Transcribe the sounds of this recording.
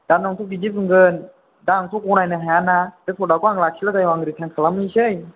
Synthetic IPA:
d̥anːɔŋtʰukid͡ʒip̚ɯŋɡən | danɔŋt̪ʰukunajnaɦaanatepʰodakwaːŋlakʰilakajaŋɾit̪ʰɛŋkʰalamiɕɯj

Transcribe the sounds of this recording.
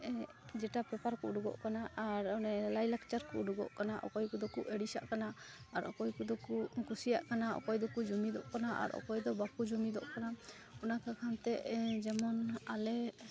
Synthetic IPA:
d͡ʒɛʈapɾɔpaɾkuɖuɡɔ̰ʔkanaʔaɾɔnɛlajlakt͡ʃaɾkṵʔɖuɡɔ̰ʔkanaʔɔ̰kɔjkud̪ɔkuʔɛɽisa̰ʔkanaaɾɔkɔjkud̪ɔkuʔkusija̰ʔkanaɔ̰kɔjd̪ɔkud͡ʒɔmid̪ɔʔkanaʔa̰ɾɔ̰kɔjd̪ɔbakud͡ʒɔmid̪ɔ̰ʔkana | unakakʰant̪ɛʔd͡ʒɛmɔnalɛ

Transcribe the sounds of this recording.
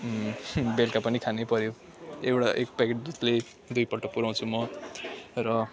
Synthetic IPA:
belkapʌnikʰanepʌɾjo | ewʈaʔek̚pekeʈd͡zʌsle | d̪ujpʌʈʌk̚puɾaw̃t͡sʰumʌ | rʌ

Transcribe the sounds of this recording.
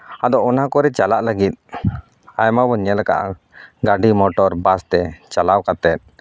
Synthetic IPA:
ad̪ɔɔnakɔɾɛt͡ʃalaʔləɡit̪̚ | ajmabɔɲɛlɛka̰ʔ | ɡaɖimɔʈɔɾbast̪ɛt͡ʃalawkat̪ɛt̪̚

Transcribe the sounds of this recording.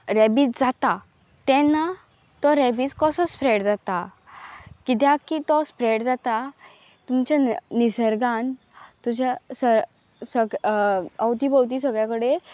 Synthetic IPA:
ɾɛbiːt͡sd͡zat̪a | t̪ɛ̃nːa | t̪ɔɾɛbiːt͡skəsəspɾeɽd͡zat̪a | kit̪̬jakit̪ɔspɾeɽd͡zat̪a | t̪umt͡ɕanisəɾɡãn | t̪ud͡ʑasə | səɡ | əwt̪iːbəwt̪̬iːsəɡɭjakəɽe

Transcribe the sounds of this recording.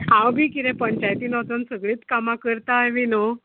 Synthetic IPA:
ãwbʱiːkiɾẽpəɲt͡ɕajt̪iːnət̪ənsəɡɭiːt̪kamakəɾt̪ajʋino

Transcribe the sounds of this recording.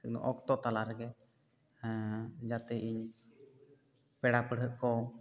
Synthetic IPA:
t̪ɛkd̪ɔ̰̃ʔɔkt̪ɔt̪alaɾɛɡɛ | d͡ʒat̪ɛiɲ | pɛɽapəɽ̤ʱəʔ̪̚kɔ

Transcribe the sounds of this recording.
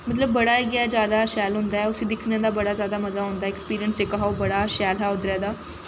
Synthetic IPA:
mət̪̬ləbːəɽaːeːɡɪad͡ʒjaːd̪aːʃɛːlɦʊ̃ːnd̪aːɛːʊsiːd̪ɪkʰnjãːd̪aːbəɽaːzjaːd̪aːməzaːɦõːnd̪aːɛkspiːɾijənsekaɦaobəɽaːʃɛːlɦɛːʊd̪ɾɪjaːd̪aː

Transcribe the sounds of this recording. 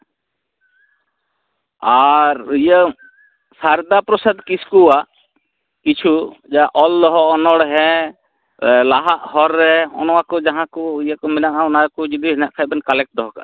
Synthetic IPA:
aɾjə | saɾd̪apɾɔsad̪kiskua | kit͡ʃʰud͡ʒaʔɔlːɔɦɔʔɔnɔɽɦɛ̃ | laɦaʔhɔɾːɛɔ̰nɔwakɔd͡ʒaɦãkɔijakɔmɛnaʔaɔnakɔd͡ʒid̪iɦɛnaʔkʰajbɛnkalɛk̚ʈ̚d̪ɔɦɔka̰

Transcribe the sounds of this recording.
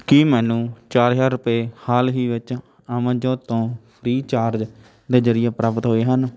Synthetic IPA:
kiːmɛːnũːt͡ʃaːɾd͡ʒaːɾɾʊpeːhaːlɦiːʋɪt͡ʃ | amãːd͡ʒõːt̪õːpʰɾiːt͡ʃaːɾd͡ʒ | d̪eːzəɾɪjaːpɾaːpət̪ɦoːeːɦən

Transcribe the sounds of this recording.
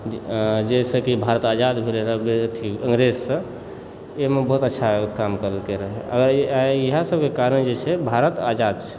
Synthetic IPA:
d͡ʒesəkibʱaɾət̪ad͡ʒad̪bʱiɾeɾəbet̪ʰiə̃ŋɡɾezsə̃ | emebəɦut̪ətːʃʰakamkəɾət̪keɾəɦɛə̰ɡəɾaeəɦãsəbʱkekaɾənd͡ʒet͡ʃʰɛbʱaɾət̪ad͡ʒad̪̚t͡ʃʰɛ̥

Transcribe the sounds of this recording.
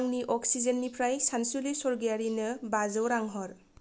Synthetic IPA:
ŋniʔɔksizenːipʰɾajsansulisɔɾɡijaɾinɯbazɯwɾaŋɦɔɾ

